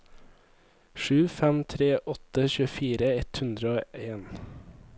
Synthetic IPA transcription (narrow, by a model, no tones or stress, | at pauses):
ʃʉːfæmt̪ʰɾeːʔɔt̪əçʉːəfiːɾəɛt̪hʉnd̪ɾəoːeːn